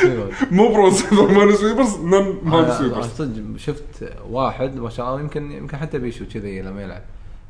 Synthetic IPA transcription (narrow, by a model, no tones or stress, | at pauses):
amubɾˤɑsɪðamanɪswibas̬nanmansiat̪ˤɨd͡ʒʃʊft̪ | waːħɪd̪maʃaːʔlːɑːjɪmkɪnjɪ̰mkɪnħat̪ːabiːʃut͡ʃɪðajlːamːajɪlʕa̰b̚